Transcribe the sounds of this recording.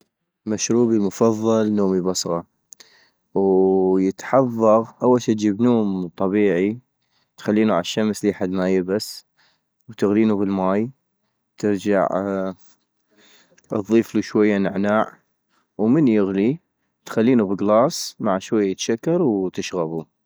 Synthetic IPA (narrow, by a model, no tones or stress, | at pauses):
maʃɾuːbilmʊfɑðˤːɑlnoːmibɑsˤɣɑ | wjət̪ħɑðˤːɑɣʔawːalʃit̪d͡ʒiːbnoːmt̪ˤɑbiːʕi | t̪xalːiːnuʕa̰ʃːamsliːħad̪majɪbas | wt̪ɪɣliːnubɪlmaːj | t̪ɪɾd͡ʒa̰ʕ | ðˤːiːfluʃwajːanɪʕnaːʕ | wmənjɪɣli | t̪xalːiːnubəɣlɑːsˤmaʕʃwajːajɪt̪ʃakːɑɾˤwt̪ɪʃɣabu